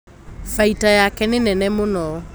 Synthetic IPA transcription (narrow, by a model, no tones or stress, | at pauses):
faitajakɛnenɛnɛmonɔ